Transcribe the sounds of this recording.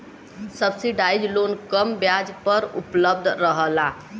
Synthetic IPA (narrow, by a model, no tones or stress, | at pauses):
səbsiɖaid͡ʒlonkəmbjad͡ʒpəɾṵpləb̚d̪ʱɾəɦəla